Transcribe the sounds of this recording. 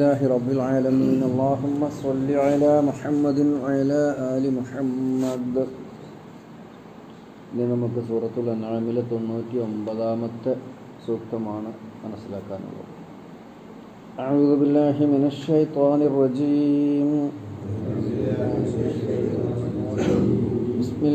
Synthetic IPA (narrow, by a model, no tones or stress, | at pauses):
lːaːɦiɾˤɑbːilʕaːlɐmiːnɐlˤːɑːɦumːɐsˤɑlːiʕalaːmuħɐmːɐd̪inwɐʕalaːʔaːlimuħɐmːɐd̪ | inːinɐmukːɨsuːrɐt̪ːuɭːɐnɐɻɐmilt̪o̞nːuːtːio̞mbɐðaːmɐt̪ːɨ | suːkt̪ɐmaːɳɨmɐnusilaːkːa̰ːnṵɭːɐ̰ðɨ | ʔɐʕuːðubilːaːɦiminɐʃːɐjt̪ˤɑːnirːɐd͡ʒiːm | bɪsmi